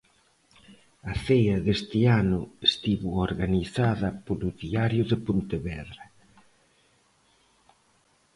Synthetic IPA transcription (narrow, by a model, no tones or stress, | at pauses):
ɐθejɐðest̪ɪanʊest̪iβuoɾɣaniθaðɐpolʊðiaɾjʊðɪpunt̪eβɛðɾɐ